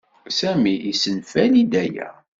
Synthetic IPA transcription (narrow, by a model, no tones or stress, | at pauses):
sæmiisənfælid̪æjæ̰